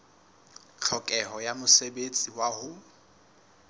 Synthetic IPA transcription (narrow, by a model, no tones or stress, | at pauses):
t͡ɬʰɔkʼɛɦɔjamʊsebet͡sʼiwahʊ